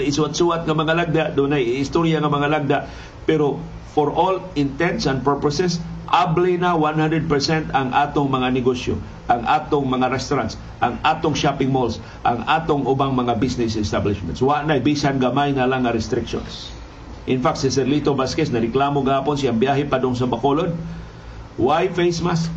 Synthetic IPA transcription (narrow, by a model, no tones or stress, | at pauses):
ɪsʊat̪suat̪̚ŋɐmɐŋalaɡ̚d̪aʔd̪ʊnajɪɪst̪oɾjaŋɐmɐŋalaɡ̚d̪aʔ | pɛɾo | foɹʔolɪnt̪ɛnt̪sɐnd̪̚pɛɹpɐsɛsʔablinawanhand̪ɾɛd̪̚pɛɹsɛnt̪ɐŋʔaːt̪oŋmɐŋanɪɡosjo̰ | ʔaŋʔaːt̪oŋmɐŋaɾɛst̪ʊɾant̪s | ʔɐŋaːt̪oŋʃapɪŋmols | ʔɐŋaːt̪oŋʔʊbaŋmɐŋabisnɪs̬ɛst̪ablɪʃmɛ̰̃nt̪swɐaʔnɐjbisanɡɐmajnɐlaŋːɐɾɛst̪ɾɪkʃo̰ns | ʔɪnfak̚t̪sɪsɛɾlit̪obaskɛsnɐɾɪklaːmoɡɐhaːponsɪaŋbjaːɦɛpɐd̪ʊŋs̬ɐmɐkolod̪̚ | wajfejsmas